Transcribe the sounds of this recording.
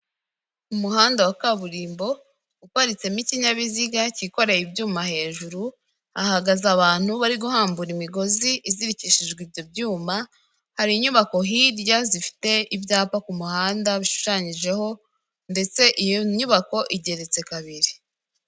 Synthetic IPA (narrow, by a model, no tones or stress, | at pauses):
umuhaːndawakaβuɾiːmbo̞ | ukaɾit͡se̞miciɲaβiziɡaciko̞ɾejibjuːmahe̞ːʒuɾu | ahaɡazaβaːn̥huβaɾiɡuhaːmbuɾimiɡo̞ziʔiziɾiciʃiʒɡwibɟo̞bjuːma | haɾiɲuβako̞ɦiɾjazifi̥te̞ibjaːpakumuhaːndaβiʃu̥ʃaːɲiʒe̞ho̞ | nde̞t͡se̞ʔijoɲuβako̞ʔiɟe̞ɾe̞t͡se̞kaβiɾi̥